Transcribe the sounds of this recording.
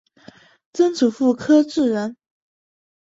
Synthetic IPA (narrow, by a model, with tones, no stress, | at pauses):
t͡sə˥nt͡su˨˩fu˥˩kʰɤ˥ʈ͡ʂɻ̩˥˩ɻə˧˥n